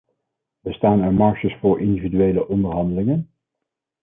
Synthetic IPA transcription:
bəstaːnɛɹmɑɹʃəsfʊːɹʔɪndividyʋejləʔɔndəɹɦɑndəlɪŋən

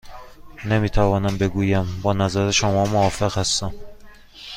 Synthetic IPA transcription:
nemiːt̪ʰævɒːnæmbeɡuːjæmbɒːnæzæɾeʃomɒːmoɒːfeɣhæst̪æm

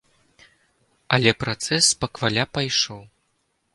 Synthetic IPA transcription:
ɐlʲɛpɾat̪sɛspɐkvalʲapajʂɔw

